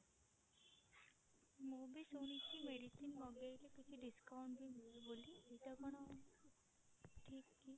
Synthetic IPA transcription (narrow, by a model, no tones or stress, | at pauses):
mobisonistimeɖisinmɔɡajlekit͡ʃʰiɖiskawɳʈbiboliitakɔɽ̃ɔ | ʈʰikːi